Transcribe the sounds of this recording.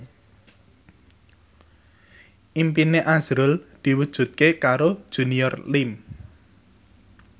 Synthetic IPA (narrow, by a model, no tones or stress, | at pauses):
ʔimpineʔaz̥ɾʊld̪̥i̤wud̥ʒ̥ṳt̪̚kekaɾod̥ʒ̥ṳnijɔrlɪm